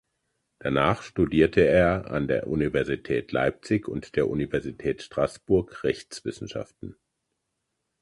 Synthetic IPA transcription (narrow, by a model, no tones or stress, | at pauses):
d̥anaːχʃtudiːɐtʰəeːɐa̰ndeːɐʔunivɛɐzitʰɛːtla̰ɪp̚t͡sɪçʊ̰ntd̥eːɐʔunivɛɐzitʰɛːtʃtʁ̥asb̥ʊɐkʁɛçt͡sv̥ɪsn̩ʃa̰ftn̩